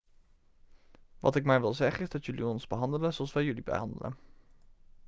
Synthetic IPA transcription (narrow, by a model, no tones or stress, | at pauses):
ʋɑ̰tɪkmɛjʋɪlˠzɛχəɪzdɑtjɵliɔnzbəɦɑndələzoɑlˠsʋɛjɵlibə̰ɦɑndə̰lə̰